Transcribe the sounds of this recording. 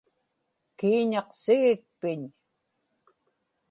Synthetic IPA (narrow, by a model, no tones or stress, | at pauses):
kiːɲɑqsɪɣɪk̚pɪɲ